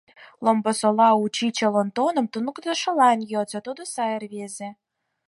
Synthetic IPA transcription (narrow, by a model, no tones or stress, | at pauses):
lombɤ̆solɑut͡ɕit͡ɕĕlont̪onɤ̆mt̪unukd̪ə̆ʃɤ̆lɑnjot͡sɑt̪ud̪ŏsɑjerβezĕ